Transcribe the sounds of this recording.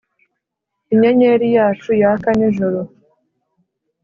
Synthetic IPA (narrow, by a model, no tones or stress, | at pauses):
iɲaɲeɾijaːt͡ʃujakaniʒoɾo